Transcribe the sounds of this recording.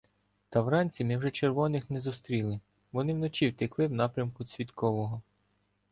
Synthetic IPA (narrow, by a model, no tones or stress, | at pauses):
t̪ɐwɾɑnʲt͡sʲimiwʒɛt͡ʃerʋɔnɪxnɛzʊst̪ɾʲilˠɪ | ʋɔnɪwnɔt͡ʃʲiwt̪ɪklˠɪwnɑpɾʲɐmkʊsʲʋʲit̪kɔʋɔɦɔ